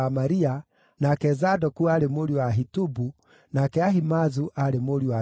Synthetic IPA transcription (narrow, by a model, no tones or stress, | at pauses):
amaɾia | nakɛzadɔkuaɾemoɾiwaɦitubu | nakɛaɦimazuʔaɾemoɾiwa